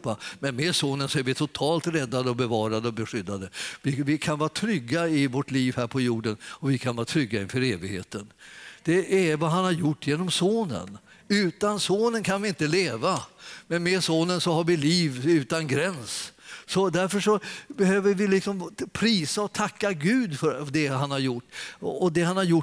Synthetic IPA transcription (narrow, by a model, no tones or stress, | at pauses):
pamɛnmed̪soːnənsɔæɾvɪt̪ʰʊt̪ʰɑːlt̪ɾɛd̪ːad̪əɔbɛvɑːɾad̪əɔbɛɧʏd̪ːad̪əvɪvɪkʰanvɑːɾat̪ʰɾʏɡːaɪvɔʈliːvɦæːɾpʰɔjuːɖənɔvɪkʰanvɑːt̪ʰɾʏɡːaɪnfœɾeːvɪɡhḛːt̪ənd̪̥ɛæɾvaɦanhaɾjʊʈːjeːnɔmsoːnə̰n | ʉ̟ːt̪ansoːnənkʰanvɪɪnt̪əleːvamɛnmed̪soːnənsɔhaɾvɪliːvʉ̟ːt̪anɡɾɛnssɔd̪æɾfəʂɔbɛhøːvəɾvɪlɪksɔmpʰɾiːsaɔt̪ʰakːaɡʉ̟ːd̪fœɾɖɛɦanhaɾjʊʈːɔd̪ɛɦanhaɾjʊ